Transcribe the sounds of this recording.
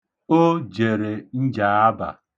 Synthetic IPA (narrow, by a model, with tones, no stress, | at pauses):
o˦d͡ʒe˨ɾe˨n̩˦d͡ʒa˨a˦ba̰˨